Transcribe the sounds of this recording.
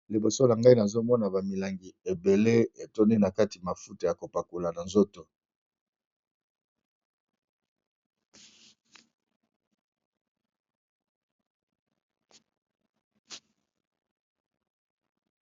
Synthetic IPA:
li˨bo˨so˦na˨ŋɡa˦i˦na˨zo˦mɔ˦na˨ba˨mi˨la˨ŋɡi˨e˨be˨le˦e˨to˦ni˦na˨ka˦ti˨ma˨fu˦ta˨ja˨ko˨pa˨ko˨la˨na˨nzo˦to˨

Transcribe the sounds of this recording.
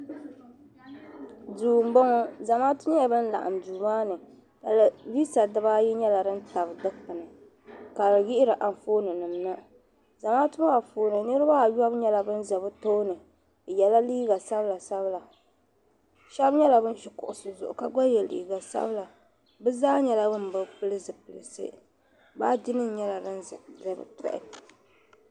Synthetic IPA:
duː˨m̩˦bɔ˦ŋɔ˦za˨maː˦tʊ˦ɲa˦jɛ˨bɨ˦n̩˦la̰˨ʔa̰˨m˨duː˨maː˦nɨ˨ | da˨la˨vi˦sa˨dɨ˦baː˦jɛ˦ɲɛ˦la˨dɨ˦n˦ta˨bdɨ˦kpɨ˨nɨ˨ | ka˨ɾɨ˨jɪ˦ʔɪ˦ɾɨ˨ʔa˨n˨foː˦nɨ˨nɨ˨m˨na˦ | za˨maː˦tʊ˦ma˦ba˨foː˨nɨ˨nɨ˦ɾɨ˦ba˦˨ja˦bɲɛ˦la˨bɨ˦n˦za˨bɨ˦to˦nɨ˨ | jɛ˨la˦liː˦ɡa˨sa˦bla˨sa˦βɨ˦la˨ | ʃɛ˦bɲɛ˦la˨bɨ˦n˦ʃɪ˨kʊ˨ʔʊ˨sɨ˨zʊ˨ʔʊ˨ka˦ɡ͡ba˦jɛ˨lḭː˨ɡa˨sa̰˦bɨ˦la˨ | bɨ˦zaː˦ɲɛ˨la˦bɨ˦m˨bɨ˨pɨ˦lɨ˦zɨ˨pɨ˨lɨ˨sɨ̰˦ | baː˦dɪ˦nɨ˦n˦ɲɛ˦la˨dɨ˦nzɨ˨zɨ˦bɨ̰˨tɛ̰˦ʔɪ̰˦˨

